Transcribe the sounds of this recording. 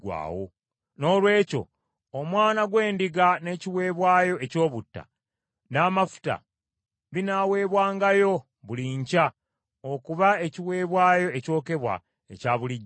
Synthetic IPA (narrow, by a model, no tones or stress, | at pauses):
wa̰ːwo̰ | no̞ːlwe̞ːco̞̰ | omwaːnaɡwe̞ːndiɡane̞ːciwe̞ːβwaːjo̞e̞co̞ːβutːa̰ | naːmafu̥ta̰ | βinawe̞ːβwaːŋɡajo̞ | βuliɲca | okuβae̞ciwe̞ːβwaːjo̞eco̞ːke̞βwa̰ | ḛcaːβuliɟː